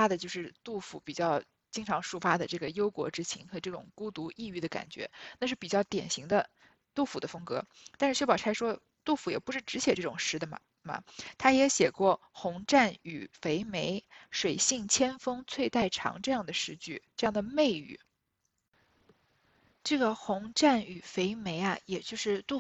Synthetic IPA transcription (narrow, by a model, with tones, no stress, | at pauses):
a˥d̪ə˨t͡ɕjo˥˧ʊʂɻ̩˥˧t̪u˥˩fṵ˧˥˩pi˨˩t͡ɕjɑ˥˧ʊ | t͡ɕi˥ŋʈ͡ʂʰɑ˧˥ŋʂu˥˩fa˥d̪ə˨ʈ͡ʂɤ˥˩ɡə˩jo˥ʊkwɔ̰˧˥ʈ͡ʂɻ̩˥t͡ɕʰi˧˥ŋxɤ˧˥ʈ͡ʂɤ˥˩ʈ͡ʂʊ̰˨˩ŋku˥t̪u˧˥ʔi˥˧y˥˩d̪ə˩ka̰˨˩nt͡ɕɥɛ̰˧˥na˥˧ʂɻ̩˥˩pi˨˩t͡ɕjɑ˥˩ʊt̪jɛ̰˨˩nɕi˧˥ŋd̪ə˧ | t̪u˥˩fu˨˩d̪ə˦fɤ˥ŋkɤ˧˥ | t̪a˥˧nʂɻ̩˥˩ɕɥɛ˥pɑ˨˩ʊa˧˥ɪʂwɔ˥ | t̪u˥˩fu˧˥jɛ̰˨˩pu˧˥ʂɻ̩˥˩ʈ͡ʂɻ̩˧˥ɕjɛ˨˩ʈ͡ʂɤ˥˩ʈ͡ʂʊ˨˩ŋʂɻ̩˥d̪ə˨mɐ̰˩ | mɐ̰˩t̪ʰa˥jɛ˧˥ɕjɛ˨˩kwɔ˥˩xʊ˧˥ŋʈ͡ʂa˥˩ny˨˩fe˧˥ɪme˧˥ɪʂwe˨˩ɪɕi˥˩ŋt͡ɕʰjɛ˥nfɤ˥ŋt͡sʰwe˥˧ɪt̪a˥˩ɪʈ͡ʂʰɑ̰˧˥ŋʈ͡ʂɤ˥˧jɑ˥˩ŋd̪ə˩ʂɻ̩˥˧t͡ɕy˥˩ʈ͡ʂɤ˥˧jɑ˥˩ŋd̪ə˩me˥˩ɪy̰˨˩˦ | ʈ͡ʂɤ˥˩ɡə˩xʊ˧˥ŋʈ͡ʂa˥˩ny˨˩fe˧˥ɪme˧˥ɪɐ˧jɛ˨˩t͡ɕjo˥˧ʊʂɻ̩˥˧t̪u˥˩